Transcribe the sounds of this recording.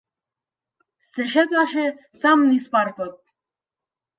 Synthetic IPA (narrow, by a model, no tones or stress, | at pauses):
sɘ̆ʃet̪ɑʃe | sɑmnispɑrpɤ̆t̪̚